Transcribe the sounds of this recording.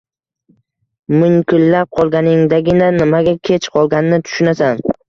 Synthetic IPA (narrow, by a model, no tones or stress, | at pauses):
mɪŋkʲʰʊlːap̚qʰɒlˠɡʲanɪŋd̪aɡʲɪnanɪmaɡʲakʲʰe̞t͡ʃqʰɒlˠɡʲanɪnɪt̪ʰʊ̥ʃʊnasan